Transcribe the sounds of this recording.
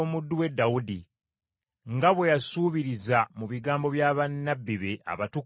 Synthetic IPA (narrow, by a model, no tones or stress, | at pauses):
omudːuwe̞dːawudi | ŋɡaβwe̞jasuːβiɾizamuβiɡaːmbo̞βjaːβanːabːiβe̞a̰βatu